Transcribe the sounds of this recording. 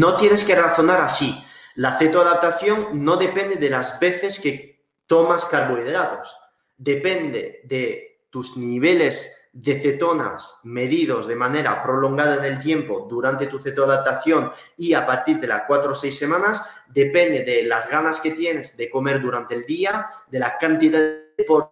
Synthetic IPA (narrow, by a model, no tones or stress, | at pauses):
no̞t̪je̞neske̞raθo̞naɾasi | laθet̪oaðap̚t̪aθjo̞ŋno̞ðe̞pe̞nd̪eðe̞lazβe̞θe̞ske̞ | t̪o̞maskaɾβoið̞eɾaðo̞̰s | d̪e̞pe̞nd̪ḛðe̞ | t̪uzniβ̞e̞le̞z | ðe̞θe̞t̪o̞na̰sme̞ðiðo̞zðe̞mane̞ɾa̰pɾo̞lo̞ŋɡað̞aene̞lt̪je̞mpo̞ðuɾant̪e̞t̪uθet̪oaðap̚t̪aθjo̞ŋ | iapaɾt̪iɾð̞e̞la̰kwat̪ɾosejsːe̞mãnaz | d̪e̞pe̞nd̪eðelazɣanaske̞t̪je̞ne̞zðe̞ko̞me̞ɾðuɾant̪eːld̪iaðe̞lakant̪iðapo